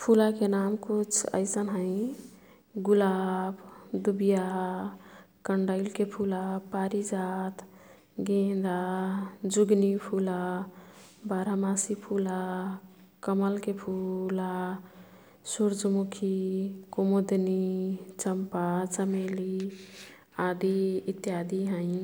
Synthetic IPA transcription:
pʰulakenamkut͡ʃʰə̰ɪsənɦə̃ɪ̃ | ɡulabd̪ubija | kəɳɖəɪlkepʰulapaɾid͡ʒat̪ʰ | ɡẽd̪a | d͡ʒuɡnipʰula | baɾamasipʰula | kəməlkepʰula | suɾd͡ʒmukʰikomod̪nit͡ʃəmpat͡ʃəmeli | ad̪iit̪jad̪iɦə̃ĩ

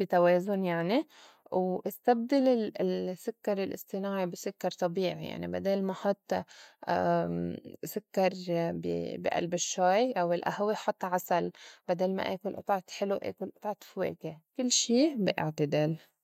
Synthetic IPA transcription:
b̥it̪aweːzʊnjaʕni | wʔɪst̪ab̚d̪alɪsʊkːɑɾˤɪlʔɪ̰st̪ˤɨnɑːʕibɪsʊkːɑɾˤt̪ˤɑbiːʕḭja̰ʕnḭba̰d̪eːlmaħɑt̪ˤː | sʊkːɑɾˤbḭbḭʔa̰lbɪʃːaːjʔawɪlʔa̰hwiħɑt̪ˤːʕasalbad̪eːlma̰ʔeːkʊlʔt̪ˤʕɑt̪ħɪluʔḛːkʊlʔʊt̪ˤʕɑt̪fwḛːkekɪlːʃiːbɪʔɪ̰ʕt̪ɪd̪el

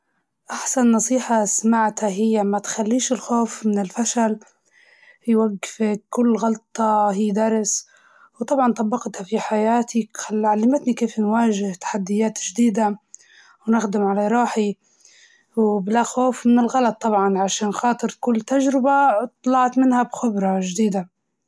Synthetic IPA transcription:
ʔaħsanːɑsˤiːħɑsmaʕt̪haɦɪjːamat̪xalːiːʃɪlxoːfmɪnɪlfaʃal | jwaɡːɪfkʊlːɣɑlt̪ˤːɑɦiːd̪ɑɾˤs | wt̪ˤɑbʕɑnt̪ˤɑbːɑqt̪hafiħajaːt̪ʰiaʕalːamɪt̪nikeːfnwaːʒɪht̪ḁħad̪ːɪjːaːt̪ʒd̪iːd̪a | wnɪxd̪ɪmʕalaɾˤɑːħi | wblaxoːfmɪnɪlɣɑlɑt̪ˤːɑbʕɑnʕaʃaːnxɑːt̪ˤɨɾkʊlːt̪aʒɾɪbat̪ˤːɑlɑʕt̪mɪnhabxɪbɾˤɑʒd̪iːd̪a

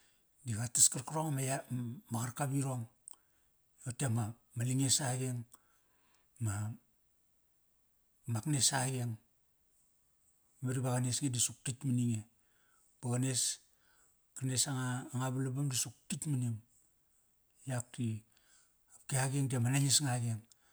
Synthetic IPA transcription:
diɡataskaɾkaɾoŋmajamaɣaɾkabiɾoŋ | otema | maliŋesaɡeŋ | ma | maknesaɡeŋ | maɾibaɣanesɡedisuk̚titminiŋe | b̥aɡanes | kanesaŋaːŋaβalabamdisuk̚titminiŋ | jak̚ti | apkiaɡeŋdemanaɲesŋaɡeŋ

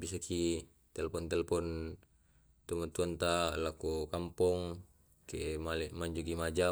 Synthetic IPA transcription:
bisakʰi | t̪ɛlɛpɔnt̪ɛlɛpɔn | t̪umat̪uant̪alakukampɔŋ | kemalɛmaɲd͡ʒukimad͡ʒa

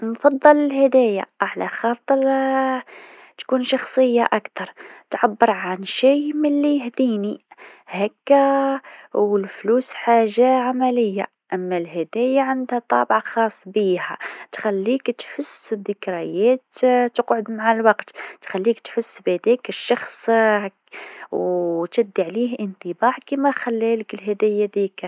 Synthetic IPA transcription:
nfɑd̪ˤːɑləlhæd̪æja̰ʔaħlæxɑt̪ˤəɾ | t̪kuːnʃɑxsˤəjːaʔakt̪ɑɾˤt̪ʕabːəɾʕanʃijmɪlːijhd̪inihækːæ | wəlflusħaʒːaʕamæləjːa̰ | ʔæmːælhæd̪æjaʕand̪hæt̪ˤɑ̰bʕaxɑsˤːbihæ̰t̪xælːikt̪ħʊsd̪əkɾɑjæt̪t̪əqʕod̪maʕalwɑqt̪t̪xælːikt̪ħʊsːbæd̪ikəʃːɑxsˤ | wt̪æd̪ːiʕlihʔənt̪ˤəbɑʕkimæxælːæləkəlɦæd̪æjæd̪ikɾ

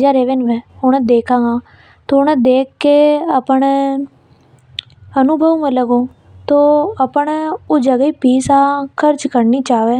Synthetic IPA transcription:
d͡ʒaːɾeːʋenʋeːʊñẽːd̪eːkʰãːɡaː | t̪oʊñẽːd̪eːkːeːəpɳe | ənʊbʱəʋmeləɡoː | t̪oːəpɳod͡ʒəɡiːpiːsaːkʰəɾt͡ʃkəɾniːt͡ʃaːʋeː

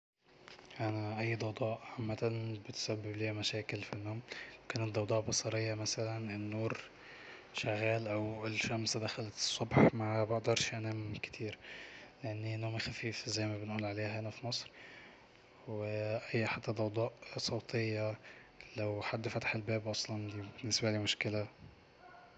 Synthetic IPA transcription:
ʔanaʔajːd̪ˤɑwd̪ˤɑːʔʕamːat̪anbɪt̪sabːɪbliːmaʃaːkɪlfinːoːmwkæːnɪt̪̚d̪ˤɑwd̪ˤɑːʔbɑsˤɑɾɪjːɑmasalanɪnːuːɾ | ʃaɣːaːlʔawɪlʃamsd̪axalat̪ɨ̥sˤːʊbħmaʕbɑʕd̪ˤɑɾˤʃʔanamkt̪ʰiːɾlɪʔanːinːoːmxafiːfzajːmabɪnʔuːlʕaleːɦajnafimɑsˤɾ | wɪʔajːaħat̪ːad̪ˤɑwd̪ˤɑːʔsˤɑːt̪ʰɪjːa | lawħad̪ːfat̪aħɪlbeːbʔɑsˤlɑnibɪnːɪsbalimʊʃkɪla

